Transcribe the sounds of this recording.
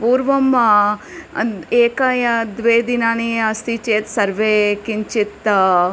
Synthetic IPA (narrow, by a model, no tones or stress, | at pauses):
puːɾʋɐm | eːkɐjɐd̪ʋeːd̪inaːniɐst̪it͡ʃeːt̪sɐɾʋeːkiɲt͡ʃit̪